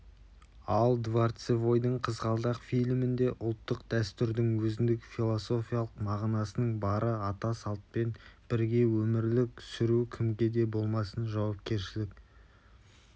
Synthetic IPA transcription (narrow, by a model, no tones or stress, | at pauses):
ɑlˠd̪vart̪sevo̞jd̪əɴqʰəzʁɑlˠd̪ɑqfijlmɪnd̪e̞ʔʊlˠt̪ːəqd̪æst̪ʏɾd̪ɪŋwɵzɪnd̪ɪkfilˠo̞so̞fʲijalˠəqmɑʁnɑsənəɴbɑɾʔəɑt̪ɑsɑlˠt̪̚pe̞nb̥ɪɾɡʲe̞wɵmɪɾlɪksʏɾukʲʰɪmɡʲe̞d̪e̞bo̞lˠmɑsənʒɑwɑp̚kʲe̞ɾʃɪlɪk